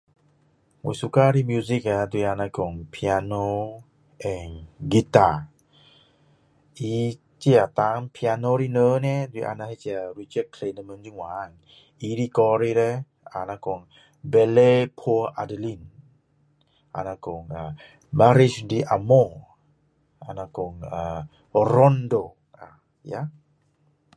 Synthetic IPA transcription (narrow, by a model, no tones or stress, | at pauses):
wusukaɾimjuzikad̪uianakɔŋpʰiano | ɛ̃nɡita | i | t͡ʃiat̪aŋpʰianoɾinənɛd̪wiʔa̰nahit͡ʃiaɹit͡ʃəd̚kʰlenəmənd͡ʒuŋwaŋ | iɾikɔɾiɾɛ | a̰nakɔŋ | bɛlepʰoʔadəlin | ʔa̰nakɔŋa | baɾisdiʔamo | a̰nakɔŋa | oɾɔndo | a̰ | ja